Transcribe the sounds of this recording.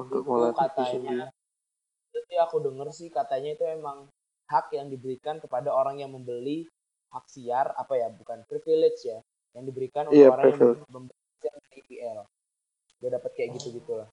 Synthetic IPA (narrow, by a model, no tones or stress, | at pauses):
unt̪ʊk̚molakat̪aɲa | t̪ət̪iakudəŋərsɪkat̪aɲait̪uemaŋ | hakjaŋdibəɾikankəpadaoɾaŋjaŋməmbəli | hak̚siara̰pajabukanpɾifilet͡ʃja | jaŋdibəɾikanunaoɾaɾifilməmbəaksiaipiɛl | dadapat̪̚kajaʔɡit̪uɡit̪ulah